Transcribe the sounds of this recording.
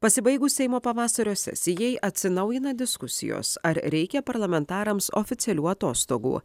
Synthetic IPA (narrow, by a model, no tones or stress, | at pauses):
pɐsʲɪbɐɪɡuːsʲɛɪmoːpɐʋɑːsɐɾʲoːsʲɛ̰sʲɪjɛɪʔɐt̪ʲsʲɪnɐʊjɪnɐd̪ʲɪskʊsʲɪ̰jo̰ːsɐɾɾʲɛɪkʲɛpɐɾlˠɐmʲɛnt̪ɑːɾɐmso̰ːfʲɪt̪ʲɛlʲuːɐt̪oːst̪o̰ːɡṵː